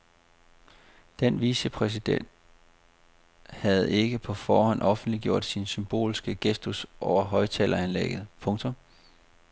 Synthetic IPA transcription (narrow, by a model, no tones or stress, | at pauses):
d̥enʋisəpʰʁɛs̬id̥en̰d̥ | hæð̞̩ˠe̝ɡ̥əpʰɒ̽fɒːhɒ̽n̰ɒ̽fn̩d̥liɡ̥jo̝ɐ̰d̥sinsymb̥o̝̰ːlsɡ̥əɡ̥esd̥usʔɒʊɐɦɒ̽ɪt͡sʰɛːlɐænlḛɡ̥ð̩ˠpʰɔ̽ŋt͡sʰom